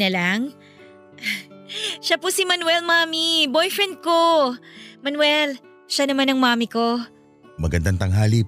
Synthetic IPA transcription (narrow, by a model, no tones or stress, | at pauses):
ɐlaŋ | ʃapʊsimɐnwɛlmaːmibojfɹɛnd̪̚ko | mɐnwɛl | ʃanɐmanɐŋmaːmiko̞ | mɐɡɐnd̪aŋt̪ɐŋɦaːli